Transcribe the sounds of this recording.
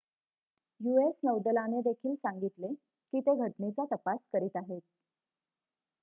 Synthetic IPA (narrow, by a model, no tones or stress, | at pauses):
juesnəwd̪əlaned̪ekʰiːlsaŋɡit̪le | kiːt̪eɡʱəʈnet͡sat̪əpaskəɾiːt̪aɦet̪̚